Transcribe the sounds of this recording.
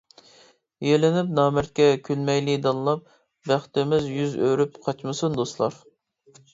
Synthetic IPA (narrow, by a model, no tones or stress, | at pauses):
jelɪnyp̚nɑːmæɾt̪̚kʲɛkʲʰylmɛjlid̪ɑnˠɨlˠɑp̚ | bæχt̪ɪmɪzjyzø̰ɾypqʰɑt͡ʃmɨsund̪oslˠɑɾ